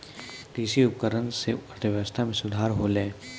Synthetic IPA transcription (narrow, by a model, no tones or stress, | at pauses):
d̪iːsiʊpkəɾənseɐɾt̪ʰəʋjəʋəst̪ʰamẽsʊd̪ʱaːɾɦolẽː